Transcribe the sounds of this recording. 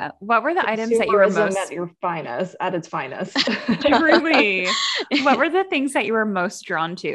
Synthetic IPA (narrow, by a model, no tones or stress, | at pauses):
wʌt̚wə˞ðiʔaɪɾɨ̃mzðɨt͡ʃɨə˞mə̃ʊɨt͡ʃə˞fãɪ̃nə̰stəɾɨtsfãɪ̃nɨ̰stɹɪli | wʌt̚wə˞ðɨθɪ̃ŋzðɨt͡ʃɨwə˞moʊsd̥ɹɔ̃ntʰʉ